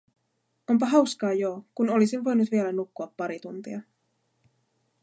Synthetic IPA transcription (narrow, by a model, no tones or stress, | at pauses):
o̞mpɑɦɑwskɑːjo̞kuno̞lisinʋo̞jnut̪ʋielænukːuɑpːɑɾit̪unt̪ḭɑ